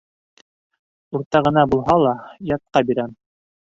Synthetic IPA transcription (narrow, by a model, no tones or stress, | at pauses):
uɾt̪ɑʁɤ̆nɑbulˠɦɑlˠɑjɑt̪̚qɑbiɾæm